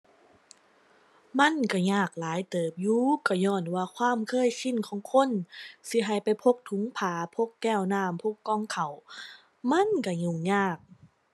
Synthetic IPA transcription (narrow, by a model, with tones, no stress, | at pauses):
ma˧˥˨nka˧˩ɲaː˧˩k̚laː˨˦jt̪ɤː˨˩p̚juː˧ka˧˩jɔː˧˩nwaː˧˩kʰwaː˧˥˨mkʰɤː˧˥˨jsi˧˨nkʰɔː˨˦ŋkʰo˧˥˨nsi˧˦ɦa˧˩jpa˨jpʰo˧˥k̚t̪ʰu˨˦ŋpʰaː˨˦pʰo˧˥˨kːɛː˧˥˩wnaː˧˩˨mpʰo˧˥˩kːɔː˧˥˩ŋkʰa˨˩w | ma˧˥˨nka˧˩ɲu˧˩˨ŋɲaː˧˩k̚